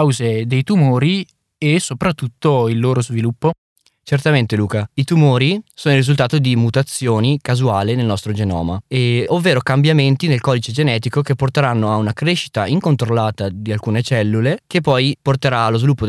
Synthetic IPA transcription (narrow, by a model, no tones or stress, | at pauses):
awzed̪ejt̪umoːɾi | esopɾat̪ːut̪ːoilːoːɾozvilupːo | t͡ʃert̪ament̪eluːkait̪umoːɾisoːnoilrizult̪aːt̪od̪imut̪at̪sːjoːnikazuaːlinelnɔst̪ɾod͡ʒenɔ̰ːmaeovːeːɾokambjament̪inelkɔːd̪it͡ʃed͡ʒenɛːt̪ikokepːort̪eɾanːoaunakɾeʃi̥t̪aiŋkont̪ɾolːaːt̪ad̪ialkuːnet͡ʃɛlːulekepːɔjport̪eɾaːlːozvilupːo